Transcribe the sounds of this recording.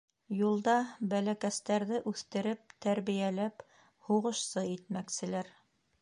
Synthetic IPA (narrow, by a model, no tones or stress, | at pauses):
julˠd̪ɑbælækæst̪æɾðɘʔʉθt̪ɘ̆ɾɘp̚t̪æɾβijælæp | huʁɤ̆ʃsɤit̪̚mæksɘ̆læɾ